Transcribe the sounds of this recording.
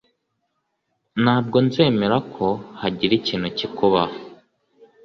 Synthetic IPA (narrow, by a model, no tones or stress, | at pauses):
naːb̚ɡo̞nze̞ːme̞ɾakʰo̞haɟiɾiciːnhucikuβah